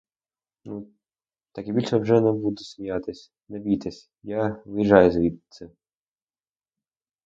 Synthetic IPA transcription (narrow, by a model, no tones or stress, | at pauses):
nu | t̪akʲibʲilʲʃɛwʐɛnɛbud̪ɛsʲmʲijat̪ɪsʲ | nɛʋʲit̪ɛsʲ | jaʋɪjiʒɑjʊzʲʋʲid̪t̪sɛ